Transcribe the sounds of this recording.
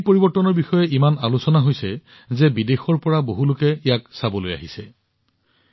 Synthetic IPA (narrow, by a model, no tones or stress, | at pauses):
poɹibɔɹtːɔnɔɹbixɔjɛʔimanalusɔnaɦojsɛ | zɛbidexɔɹpɔɹaboɦulʊkɛɛjaksabɔloja̰ɦisɛ